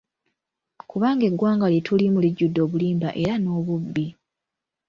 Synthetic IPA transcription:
kuβaːŋɡe̞ɡwaːŋɡaljetʰulimuliɟːudːo̞ːβuliːmbaʔe̞ɾano̞ːβubːi

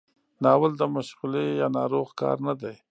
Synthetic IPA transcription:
nɑːwəld̪əmaʃɣulejɑnɑɾoɣkɑ̰ɾnad̪aj

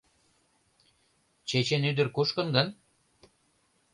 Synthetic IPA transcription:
t͡ɕet͡ɕenyd̪ə̆rkuʃkə̆nɡən

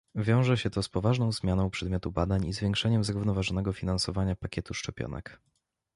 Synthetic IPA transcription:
vʲjɔ̃w̃ʐɛɕɛt̪ɔspɔvaʐnɔ̃w̃zmʲjanɔ̃w̃pʂɛd̪mʲjɔt̪ubad̪aɲizvʲjɛ̃ŋkʂɛɲɛmzɾuvn̪ɔvaʐɔnɛɡɔfʲinansɔvaɲapakʲɛt̪uʂt͡ʂɛpʲjɔ̰nɛ̰k

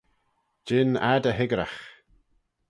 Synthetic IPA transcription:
d͡ʒɪna̰dəɦɪɡɾa̰x

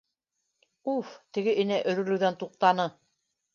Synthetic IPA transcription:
uft̪ɘ̆ɡɘʔĭnæʔɵ̆ɾɵ̆ɾlɘ̆wðænt̪uq̚t̪ɑnɤ

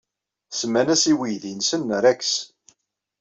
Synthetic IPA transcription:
səmːænæsiwijðinsənːɾæks

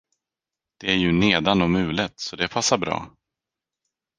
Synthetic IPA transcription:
d̪̥ɛæɾjɵneːd̪anɔmʉ̟ːlɪt̪sɔd̪ɛpʰasːaɾbɾɑ̰ː

